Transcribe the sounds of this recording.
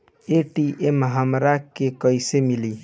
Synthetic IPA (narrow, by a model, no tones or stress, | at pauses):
eʈiʔemɦəmɾakekəjsemili